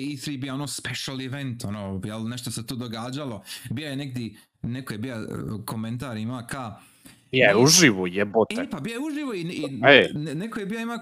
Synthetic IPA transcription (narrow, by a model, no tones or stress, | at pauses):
iθɾiːbijaonoːspeʃaliʋent̪onoːjelneʃt̪ose̞t̪uːd̪oɡaːd͡ʑalobijajeneɡd̪je | nekojebijako̞mẽnt̪aːɾimaːka | bijajeuʒiʋojɛbot̪ɛpabijajeuʒiʋoiienenekojebijaima